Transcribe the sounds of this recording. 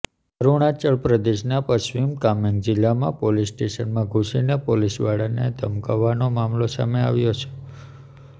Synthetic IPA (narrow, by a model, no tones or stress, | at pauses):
əɾuɽ̃at͡ʃəɭpɾəd̪eʃnapəʃʋimkameŋɡd͡ʒɪlːamã̰polisʈeʃənmãɡʱusinepolisʋaɽaned̪ʱəmkaʋːanomamlosa̰mea̰ʋjot͡ʃʰe̥